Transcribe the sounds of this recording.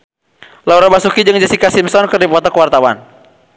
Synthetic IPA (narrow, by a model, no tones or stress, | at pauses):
lauɾabasukid͡ʒɨŋd͡ʒasikasimsɔnkɨrdipɔt̪ɔkwart̪awan